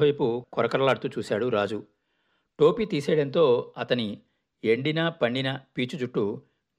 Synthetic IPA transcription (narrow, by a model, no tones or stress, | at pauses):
ʋɐjpukɔɾɐkɐɾɐlaːɽt̪uːt͡ʃuːsaːɽuɾaːd͡ʒu | ʈo̞ːpiːt̪iːsɛːɽɐnt̪o̞ːɐt̪ɐni | eɳɖinɐpɐɳɖinɐpiːt͡ʃud͡ʒuʈːu